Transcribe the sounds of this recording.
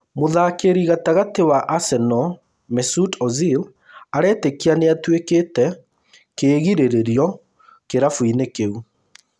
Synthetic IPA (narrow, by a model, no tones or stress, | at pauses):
moðaːkeɾiɣataɣatewaʔasɛnɔ | mɛsutɔzil | aɾɛːtekianeatwekeːtɛ | keːɣiɾeɾeɾjɔ | keɾafuinekeu